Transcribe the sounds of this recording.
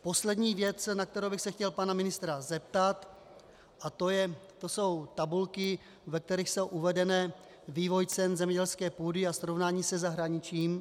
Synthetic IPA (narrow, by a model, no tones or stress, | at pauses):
po̞slɛdɲiːvjɛt͡snak̚t̪ɛɾowbɪxsɛxcɛlpanamɪnɪst̪ɾazɛp̚t̪at̪ | ʔat̪o̞jɛt̪o̞so̞wt̪abulkɪ | vɛk̚t̪ɛɾiːxso̞wʔuvɛdɛnɛː | viːvo̞jt͡sɛnzɛmɲɛɟɛlskɛːpuːdɪasɾo̞vnaːɲiːsɛzaɦɾaɲɪt͡ʃiːm